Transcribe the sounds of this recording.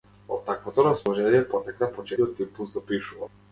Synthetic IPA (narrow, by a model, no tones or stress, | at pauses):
ɔ̰t̪ːakvɔt̪ɔɾasmɔʒɛiɛpɔt̪ɛknapɔt͡ʃɛiɔt̪ːiplˠusd̪ɔpiʃuva